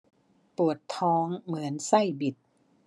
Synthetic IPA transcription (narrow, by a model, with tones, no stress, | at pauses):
pu˨˩ət̪ʰːɔː˦˥ŋmɯ˩˦ənsa˥˩jbi˨˩t̪̚